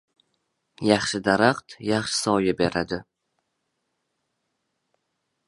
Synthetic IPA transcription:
jɑχʃɪd̪aɾaqt̪jaχʃɪ̥sɒjɪbe̞ɾad̪ɪ

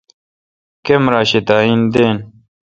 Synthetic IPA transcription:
kemɾaːɕet̪aːind̪eːn

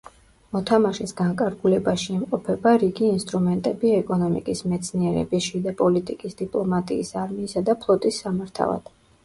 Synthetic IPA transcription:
mɔt̪ʰamaʃisɡaŋkʼaɾɡulɛbaʃiːmqʼɔpʰɛbaɾiɡiːnst̪ʼɾumɛnt̪ʼɛbiɛkʼɔnɔmḭkʼismɛt̪sʰniɛɾɛ̰bisʃid̪apʼɔlit̪ʼikʼisd̪ipʼlˠɔmat̪ʼḭːsaɾmiːsad̪apʰlˠɔt̪ʼisːamaɾt̪ʰa̰vˠa̰d̪̥

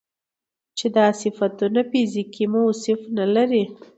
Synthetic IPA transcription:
t͡ʃed̪ɑsɪfat̪unafizikimausɪfnalaɾi

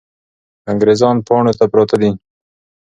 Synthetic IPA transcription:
aŋɡɾezɑnpɑɳot̪apɾɑt̪ad̪i

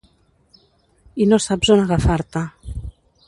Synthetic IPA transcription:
inosabzonaɣafaɾt̪a

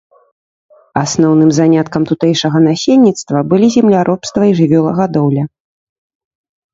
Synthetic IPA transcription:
asnɔwnɨmzanʲat̪kɐmt̪ut̪ɛjʂɐɣɐnasʲelʲːit̪st̪vɐbɨlʲizʲɛmlʲaɾʔɔpst̪vɐiʐɨvʲɔlˠɐɣad̪ɔwlʲɐ

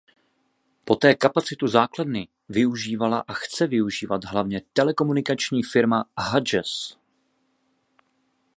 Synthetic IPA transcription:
po̞t̪ɛːkapat͡sɪt̪uzaːkladnɪ | vɪuʒiːvalaʔaxt͡sɛvɪuʒiːvad̪ɦlavɲɛt̪ɛlɛko̞munɪkat͡ʃɲiːfɪɾmaɦad͡ʒɛs

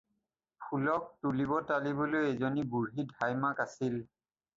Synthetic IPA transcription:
pʰulɔk̚tulibɔtalibolojezɔnibuɹɦidʱajmakasil

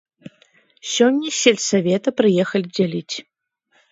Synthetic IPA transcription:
sʲɔnʲːɐsʲelʲsavʲɛt̪ɐpɾɨjɛxɐlʲid͡zʲalʲit͡sʲ

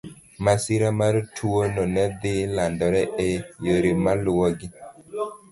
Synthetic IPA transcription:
masɪɾamaɾtʰuwonɔnɛd̪ɪlandɔɾɛʔɛjoɾimalʊwɔɡɪ

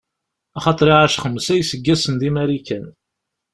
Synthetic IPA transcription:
ɑχɑt̪ˤɾˤiʕaʃχəmːəsæjsəɡːæsənd̪imæɾikæn

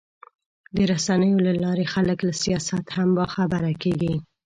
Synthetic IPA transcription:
d̪əɾasanəjolalɑɾexaləklasijɑsat̪hambɑxabaɾakeɡi

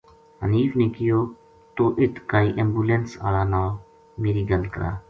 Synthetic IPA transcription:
ɦə̰niːfneːkɪjoː | t̪oːʔɪt̪ʰkaːiːʔembuːlensa̰ːlaːnaː | meːɾiːɡəlkə̰ɾa̰ː

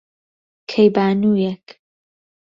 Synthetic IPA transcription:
kʰejbaːnuːjɛk

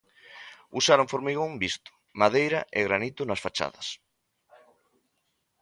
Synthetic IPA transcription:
usaɾoŋfoɾmiɣoŋbist̪ʊ̥ | maðejɾɐʔɪɣɾanit̪ʊnɐsfat͡ʃa̰ðɐs

